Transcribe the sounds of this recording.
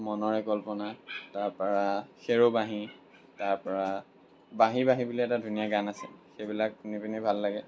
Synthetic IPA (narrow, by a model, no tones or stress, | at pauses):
mɔnɔɹɛkɔlpɔnataɹpɔɹaxeɹobaɦi | taɹpɔɹa | baɦibaɦibuliɛtadʱunijaɡanasɛ̰xebilakkunipinɛbʱalːaɡɛ